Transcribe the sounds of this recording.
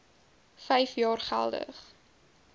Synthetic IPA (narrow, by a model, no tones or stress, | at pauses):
fɛjfjɑːrχæ̰lˠdə̰χ